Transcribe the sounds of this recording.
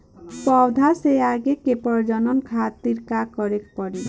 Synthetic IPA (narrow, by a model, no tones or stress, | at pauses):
pɔwd̪ʱasejaɡekepɔɾd͡ʒɔnɔnkʰat̪iɾkakɔɾekpɔɽil